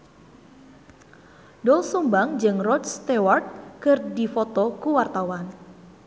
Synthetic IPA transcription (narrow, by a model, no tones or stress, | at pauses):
dɔlsumbaŋd͡ʒɨŋrɔdst̪eward̪̚kɨrdifɔt̪ɔkuwart̪awan